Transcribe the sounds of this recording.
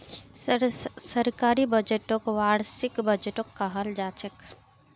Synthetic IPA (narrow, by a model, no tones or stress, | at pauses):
sɐɾkaːɾibɐd͡ʒeʈokʋaːɽsɪkbɐd͡ʒeʈokːaɦɐld͡ʒaːt͡ʃʰək